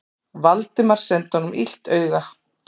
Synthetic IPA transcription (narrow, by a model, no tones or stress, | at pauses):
valt̪ɪmaɾ̥sɛnt̪hɔnʏmḭl̥t̪œːɥɣa